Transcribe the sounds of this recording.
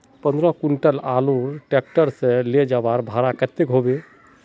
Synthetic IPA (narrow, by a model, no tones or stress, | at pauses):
pənd̪ɾɔkuɳʈəlaluɾʈek̚ʈəɾsẽled͡ʒabaɾbʱaɾakət̪ekɦobe